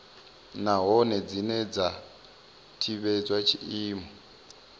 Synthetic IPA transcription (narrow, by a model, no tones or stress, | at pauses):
naɦɔnɛd͡zinɛd͡za | tʰiβɛd͡zwat͡ʃʰiiːmɔ